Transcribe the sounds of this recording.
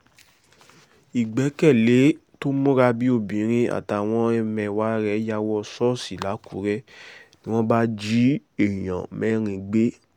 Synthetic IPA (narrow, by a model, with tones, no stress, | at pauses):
i˨ɡ͡bɛ˨˦kɛ˦˨le˨˦to˦mõ˦ɾa˧bi˦o˦˨bĩ˨˦ɾ̃ĩ˧a̰˨ta˨˦˨w̃ɔ̃˦ɛ˧mɛ̃˧wa˨˦ɾɛ˧˦ja˧˦wɔ˧sɔ˦si˨la˨˦ku˨˦ɾɛ˦nĩ˦w̃ɔ̃˦ba˦d͡ʒi˦e˦˨j̃ã̰˨mɛ̃˨˦ɾ̃ĩ˧ɡ͡be˦